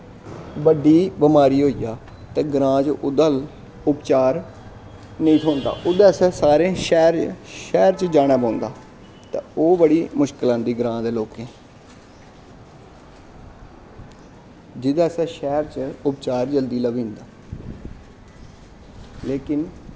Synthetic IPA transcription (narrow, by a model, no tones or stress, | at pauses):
bəɖiːbəmaːɾiːɦoːiːjaː | t̪ẽːɡɾãːt͡ʃʊd̪əl | ʊpt͡ʃaːɾ | nəĩːt̪ʰoːnd̪a̰ːʔʊd̪aːsɛ̃ːsaːɾẽːʃɛːɾʃɛːɾt͡ʃd͡ʒaːɽ̃aːpãːnd̪aː | t̪ḛ̃ːoːbəɽiːmʊʃkɪlãːnd̪iːɡɾãːd̪eːloːkẽː | d͡ʒɪd̪aːsɛːʃɛːɾt͡ʃʊpt͡ʃaːɾd͡ʒəld̪iːləʋĩːnd̪aː | leːkɪn